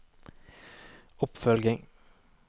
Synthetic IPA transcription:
ʊpfœlɡɪŋ

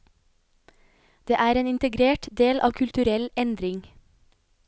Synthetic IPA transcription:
d̪̥eːʔæːɾeːnɪnt̪əɡɾeːʈd̪eːlʔɑ̰ːʋkʰʉlt̪ʉɾɛlɛnd̪ɾɪŋ

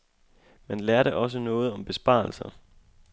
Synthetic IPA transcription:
menlæɐɾeʔɒ̽s̬ənɔ̽ːð̞̩ˠɒ̽mb̥e̝sb̥ɑ̰̈ːl̩sɐ

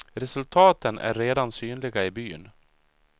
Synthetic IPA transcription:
ɾɛsɵlt̪ʰɑːt̪ənʔæ̰ɾːeːd̪ansyːnlɪɡaɪbyːn

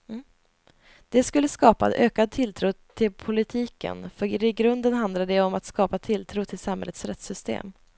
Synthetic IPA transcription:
d̪̥ɛskɵlːəskɑːpa̰d̪øːkad̪̚t̪ʰɪlt̪ʰɾuːt̪ʰɪlpʰʊlɪt̪ʰiːkə̰nfœɾɾɪɡɾɵnd̪ənɦand̪laɖd̪ɛɔmat̪skɑːpat̪ʰɪlt̪ʰɾuːt̪ʰɪlsamhɛlːət̪sɾɛt̪sʏst̪ḛːm

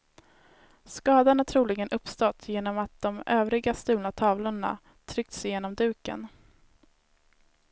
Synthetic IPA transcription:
skɑːd̪anat̪ʰɾuːlɪɡənʔɵpst̪ɔt̪ʰːjeːnɔmat̪̚d̪ɔmʔøːvɾɪɡast̪ʉ̟ːnat̪ʰɑːvlʊɳa̰ | t̪ʰɾʏk̚t̪sɪjeːnɔmd̪ʉ̟ːkə̰n

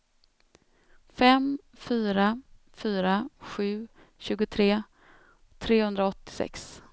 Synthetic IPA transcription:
fɛm | fyːɾa | fyːɾaɧʉ̟ː | ɕʉ̟ːɡʊt̪ʰɾeː | t̪ʰɾeːhɵnd̪ɾaɔt̪ːɪ̥sɛ̰ks

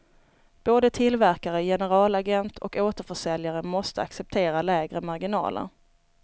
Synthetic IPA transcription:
b̥oːd̪ət̪ʰɪlvæɾkaɾəjɛnəɾɑːlaɡɛnt̪ʰɔ̰koːt̪əɾfœʂɛljaɾəmɔst̪əaksɛp̚t̪ʰeːɾalɛːɡɾəmaɾɡɪnɑ̰ːlə̰ɾ

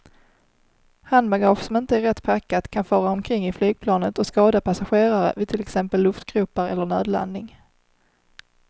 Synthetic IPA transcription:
hanmaɡɑfsɔmɪnt̪əæɾɛt̪ːpʰakːat̪kʰanfœːɾaɔmkʰɾɪŋːɪflyːɡ̚pʰlɑːnət̪ɔskɑːd̪apʰasaɧeːɾaɾə̰vɪt̪ʰɪlɛksɛmpəlːɵft̪ɡɾʉːpəɾɛlːəɳøːd̪la̰nd̪ɪŋ

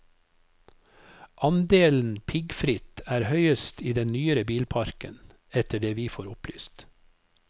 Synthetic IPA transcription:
ʔɑnd̪eːln̩pʰɪɡfɾɪt̪æːɾhœʏəst̪iːd̪ɛnnyːəɾəbiːlpʰɑɾkə̰n | ɛt̪əɖeːʋiːfoːɾʊply̰ːst̪

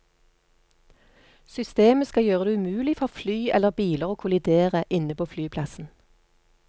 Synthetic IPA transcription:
sʏst̪eːməskɑjøːʁəd̪eːʉmʉːlɪfɔʁflyːɛləʁbiːləʁoːkʰʊlɪd̪eːʁəʔɪnəpoːflyːpʰlɑsn̩

